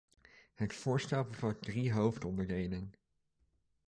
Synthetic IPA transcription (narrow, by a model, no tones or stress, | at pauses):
ɦətfʊːɹstɛlˠpəvɑt̚driɦowftɔndəɹɡejnən